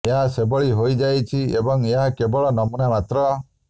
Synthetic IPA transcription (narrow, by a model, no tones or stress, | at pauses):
eɦasebɔɭiɦojd͡ʒajt͡ʃʰiebɔŋeɦakebɔɭɔnɔmunamat̪ɾɔ